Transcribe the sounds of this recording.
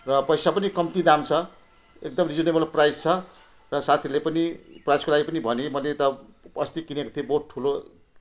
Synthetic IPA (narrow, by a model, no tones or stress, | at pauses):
rʌpʌjsapʌnikʌmt̪id̪amt͡sʰʌ | ek̚d̪ʌmrid͡zʌnemʌloprajd͡zt͡sʰʌ | rʌsat̪ʰilepʌniprajskolaɡipʌnibʱʌnemʌlet̪ʌʌst̪ikinekot̪ʰijoboʈ̚ʈʰulo